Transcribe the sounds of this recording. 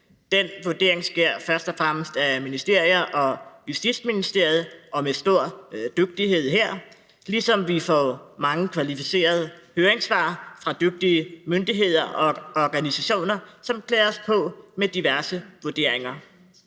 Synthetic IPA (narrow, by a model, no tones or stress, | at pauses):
d̥en̰ʋoɐd̥e̝̰ɐ̰eŋsɡ̥eɐ̰fɶɐsd̥ɒfʁaməsd̥æminisd̥e̝ɐ̰ijɐʔɒ̽jusd̥id̥sminisd̥e̝ɐ̰jð̩ˠɒ̽mesd̥o̝ɐ̰d̥øɡ̥̚d̥iɦe̝ð̞̰ˠɦeɐ̰ | lisɒ̽mʋifɒ̰mɑ̈ŋəkʰʋælifise̝̰ːɐð̞ˠəhøːɐeŋsʋɑ̰̈ːfʁɑ̈d̥øɡ̥̚d̥iəmønd̥iɦe̝ð̞̰ˠɐʔɒ̽ɒɡ̥ænisæɕo̝̰ːnɐsɒ̽mkʰlɛːɐspʰɒ̽med̥iʋæɐsəʋoɐd̥e̝ɐ̰e̝ŋɐ